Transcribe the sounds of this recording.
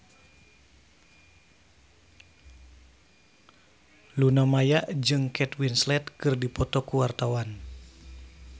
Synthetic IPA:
lunɔmajaʔd͡ʒɨŋkʰɛt̪winslɛt̪̚kɨrdipɔt̪ɔkuwart̪awan

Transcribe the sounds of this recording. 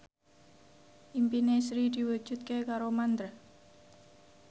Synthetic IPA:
ʔimpinesɾid̪̥i̤wud̥ʒ̥ṳt̪̚kekaɾomand̪ɾə

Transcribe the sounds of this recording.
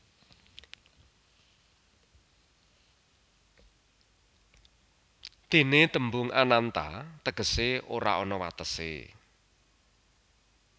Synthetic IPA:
d̪̥e̤net̪əmbʊŋanant̪a̰t̪əɡ̥ə̤seoɾa̰ɔnɔwa̰t̪əsḛ

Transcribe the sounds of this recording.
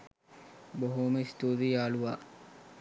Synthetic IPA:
boɦuməist̪uːɾijaːluʋaː

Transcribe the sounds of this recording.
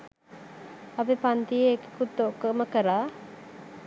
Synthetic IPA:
abepant̪ijeːki̥kut̪ːoʔkəməkəɾaː

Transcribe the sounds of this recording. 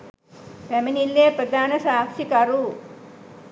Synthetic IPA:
pemɐnilːeːprɐd̪ʱaːnɐsaːksikɐɾu

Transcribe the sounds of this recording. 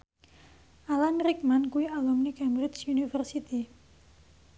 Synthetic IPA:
ʔalanɾik̚mankuialumnikɛmbɾɪt͡ʃunifərsit̪i

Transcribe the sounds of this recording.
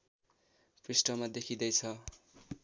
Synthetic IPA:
prisʈʌmad̪ekʰid̪ʌjt͡sʰʌ

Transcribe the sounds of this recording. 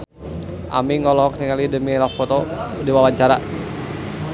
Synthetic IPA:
ʔa̰miŋɔlɔɦɔk̚t̪iŋalidəmilafɔt̪ɔdiwawaɲt͡ʃaɾa

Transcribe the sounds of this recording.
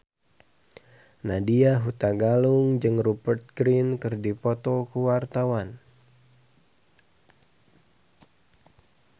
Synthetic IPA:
nadiaɦut̪aɡaluŋd͡ʒɨŋrubərt̪̚ɡɾinkɨrdipɔt̪ɔkəwart̪awan

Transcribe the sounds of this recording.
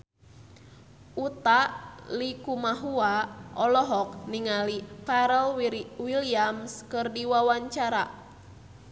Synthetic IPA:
ʔut̪alikumaɦuaɔlɔɦɔk̚niŋalipaɾɛlwwiliamskɨrdiwawaɲt͡ʃaɾa

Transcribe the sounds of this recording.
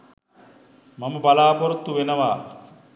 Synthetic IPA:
maməbalaːpoɾut̪ːuʋenəʋaː

